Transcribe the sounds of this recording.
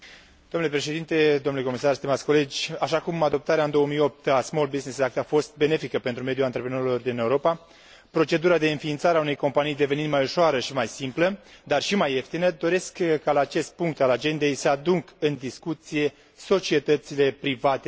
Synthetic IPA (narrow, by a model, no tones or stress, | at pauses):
d̪̥omnulepɾe̞ʃe̞d̪int̪e̞d̪omnuleko̞misarst̪imat̪sʲko̞le̞d͡ʒʲaʃakumad̪o̞p̚t̪aɾeaɨnd̪o̞əmijo̞p̚t̪asmolbiznisak̚t̪afo̞st̪̚be̞ne̞fikəpe̞nt̪ɾume̞d̪juant̪ɾepɾeno̞ɾilo̞rd̪ine̞uɾo̞pa | pɾo̞t͡ʃe̞d̪uɾad̪e̞ɨnfiːnt̪saɾeaune̞jko̞mpanijd̪e̞veninmajuʃoaɾəʃimajsimpləd̪arʃimaje̞ft̪inəd̪o̞ɾe̞skkːalaːt͡ʃe̞st̪̚puŋk̚t̪alad͡ʒe̞nd̪e̞jsəad̪uŋkɨnd̪iskut̪sije̞ | so̞t͡ʃie̞t̪ət̪sile̞pɾivat̪e